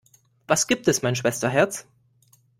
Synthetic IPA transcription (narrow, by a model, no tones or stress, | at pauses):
vasɡ̥iːp̚tɛsmaɪnʃ̬v̥ɛstɐɦɛɐt͡s